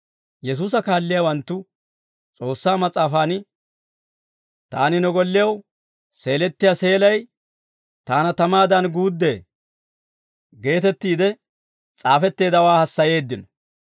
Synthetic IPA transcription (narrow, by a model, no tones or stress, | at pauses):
jɛs̬uːs̬ɐkaːlːɪjawɐnt̪ːʊ | t͡sʼo̞ːsːaːmɐt͡sʼaːfaːn | t̪a̰ːnɪnɔɡɔlːɪjɐw | se̞ːlɛt̪ːɪjase̞ːlɐj | t̪aːnɐt̪ɐmaːd̪ɐnɡuːd̪ːeː | ɡe̞ːt̪ɛt̪ːiːd̪ɛ | t͡sʼaːfɛt̪ːe̞ːd̪ɐwaːhɐsːɐje̞ːd̪ːɪnɔ